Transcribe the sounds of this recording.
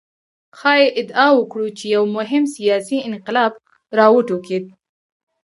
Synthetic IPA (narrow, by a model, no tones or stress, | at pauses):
xɑjeʔɪd̪ɑwəkɽut͡ʃejawmʊɦɪmsijɑsiɪnqɪlɑb | ɾɑwəʈuked̪̚